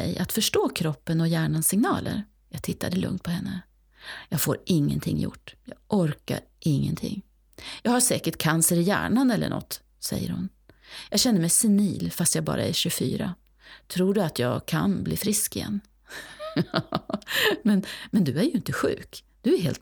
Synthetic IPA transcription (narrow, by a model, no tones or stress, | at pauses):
ɛjʔat̪fœʂʈoːkʰɾɔpːənɔjæːɳansɪŋnɑːlʔə̰ɾ | jɑːɡ̚t̪ʰɪt̪ːad̪əlɵ̰ŋt̪̚pʰɔhɛnːə | jɑːɡfoːɾʔɪŋːə̰nt̪ʰɪŋːjʊ̰ʈːjɑːɡʔɔɾka̰ɾ | ʔɪŋːənt̪ʰɪ̰ŋː | jɑːɡhaʂɛːkəʈ̚kʰansəɾɪjæ̰ːɳanɛlːə̰ɳʔɔ̰t̪ː | sɛ̰jːə̰ɾhʊ̰n | jɑːɡɕɛnːəɾmɛjsɪniːlfast̪jɑːɡbɑ̰ːɾʔaæɕɵfy̰ːɾa | t̪ʰɾuːɖɵat̪jɑːɡkʰa̰nbliːfɾɪskɪjɛ̰nː | ɑ | mɛnmɛnd̪ɵæɾjɵɪnt̪əɧʉ̟ːkd̪̥ɵæɾheːlt̪